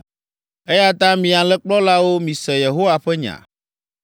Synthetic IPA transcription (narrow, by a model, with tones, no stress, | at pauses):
e˦ja˦t̪ã˦mĩ˨a˨lɛ˦k͡plɔ˦la˦wo˦mĩ˨sɛ˨je˨ɦo˦wa˨ɸɛ˦ɲã̰˨